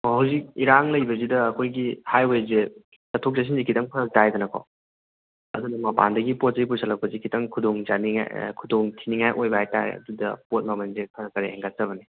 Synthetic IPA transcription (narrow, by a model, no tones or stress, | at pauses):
ɔɦɐwzik̚iɾaŋlɐjbɐzidɐːkʰojɡihajojze | sɐtʰok̚zas̬inzikʰitɐŋpʰɐɾɐk̚tajdɐnɐkʰɔ̰ | ɐdunɐmɐpa̰ndɐɡipot̚zɐɡipusʰalɐk̚pɐzikʰitʰɐŋkʰudoŋzaniŋa̰kʰudoŋtʰiniŋajʔojbɐɦajtajɐ̰dudɐ̰pot̚mɐmɐnzepʰɐɾɐkːɐɾeɛŋɡat̚sɐβɐni